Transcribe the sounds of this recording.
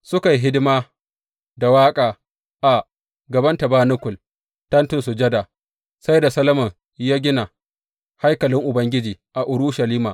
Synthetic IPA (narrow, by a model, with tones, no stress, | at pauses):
sʊ˦ka˨jɦɪ˦dɪ˦maː˦ | da˨waː˦kʼaː˨ | ʔa˨ | ɡɐ˨bɐ˦nta˨baː˦nʊ˦kʷʊ˨l | tɐ˦ntʊ˨nsu˨d͡ʒɐ˦da˨ | sa˦jda˨sɐ˦lɐ˦mɐ˨ŋ | jaː˦ɡʲɪ˦na˨ | ha˦jkɐ˨lɪ˦ŋʔʊ˨bɐ˦ŋɡʲɪ˦d͡ʒiː˨ʔa˨ʔʊ˨ɾʊ˦ʃɐ˨liː˦maː˨